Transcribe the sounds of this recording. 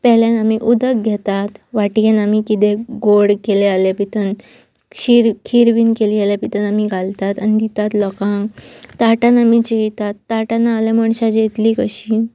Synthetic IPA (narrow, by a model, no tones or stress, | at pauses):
pɛɦljanamiʔud̪ək̚ɡʱɛt̪at̪ʋaʈjanamikit̪eɡoɽkelealapit̪ən | ɕiɾkʰiɾʋiːnkelialjapit̪ənamiɡʱalt̪at̪anid̪it̪at̪lɔkãŋt̪aʈãnamit͡ɕeɦit̪at̪ːaʈanaːlɛməɳɕad͡ʑet̪liːkəɕiː